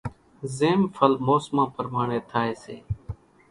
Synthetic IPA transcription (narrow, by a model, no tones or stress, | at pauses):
zeːmfʰəlmoːsmãːpəɾmaːɳeːt̪ʰaːeːsḛː